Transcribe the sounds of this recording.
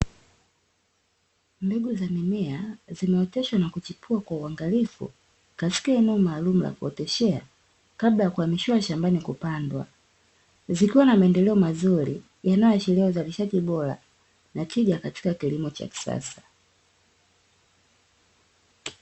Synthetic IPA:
mbɛɡuzamimɛazimɛɔtɛʃwanakut͡ʃipʰuakwauwaŋɡalifṵ | kasi̥kiɛnɛɔmaːlumula̰kuɔtɛʃɛa | kablajakuamiʃiwaʃambanikupandwa̰ | zikiwanamaɛndɛlɛɔmazuɾi | janaaʃilɛɔzaliʃakiɓɔla̰ | natiʄakati̥kakilimɔt͡ʃa̰ki̥sa̰sḁ

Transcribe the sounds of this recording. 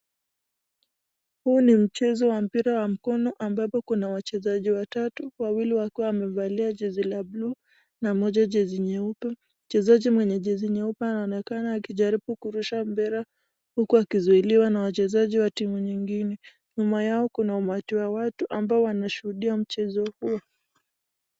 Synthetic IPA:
huːnim̩t͡ʃɛzɔwam̩piɾawam̩kɔnɔʔambapɔkunawat͡ʃɛzaʄiwatatuwawiliwakiwaamɛvaliaʄɛzilabluː | namɔʄaʄɛziɲɛupa | m̩t͡ʃɛzaʄimwɛɲɛʄɛziɲɛupaːnaɔnɛkanaːkiʄaɾiɓukuɾuʃambɛɾa | hukuakizuiliwanawat͡ʃɛzaʄiwatimuɲiŋɡinɛ | ɲumajaɔkunaumatiwawatuʔambaɔwanaʃuhuɗiam̩t͡ʃɛzɔhuɔ

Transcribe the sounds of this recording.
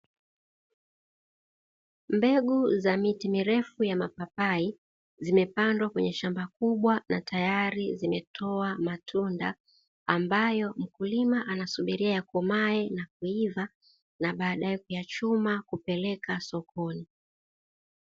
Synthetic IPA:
mbɛɡuzamitimiɾɛfujamapapai | zimɛpandwakwɛɲɛʃambakuɓwanatʰajaɾizimɛtʰɔamatʰunda̰ | ambajɔm̩kulimaʔanasuɓiɾiajakɔmaɛnakuiva | naɓaːɗaɛkujat͡ʃumakupɛlɛkasɔkʰɔni

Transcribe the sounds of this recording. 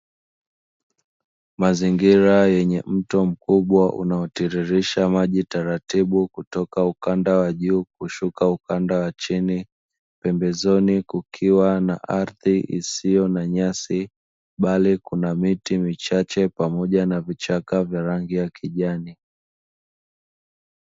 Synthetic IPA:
maziŋɡiɾajɛɲɛm̩tɔm̩kuɓwaʔṵnaɔtiɾiɾiʃamaʄitaɾatiɓukutɔkaukandawaʄuːkuʃukaukandawat͡ʃini | pɛmbɛzɔnikukʰiwana̰ʔaɾðiʔḭsijɔnaɲasi | ɓalikunamitimit͡ʃat͡ʃɛpamɔʄanavit͡ʃakavjaɾaŋɡijakʰiʄani

